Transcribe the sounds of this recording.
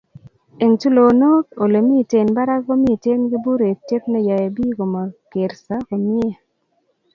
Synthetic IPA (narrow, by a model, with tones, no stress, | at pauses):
e˨ntu˦lo˨no˦ko˨le˨mi˦˨te˨nba˦ɾa˦ɡo˦mi˦˨te˦nɡɪ˦bu˦ɾe˨te˦p̚nɛ˦ja˨e˨bi˦ɡo˨mɔ˨ke˨ɾsa˦ko˨mje˦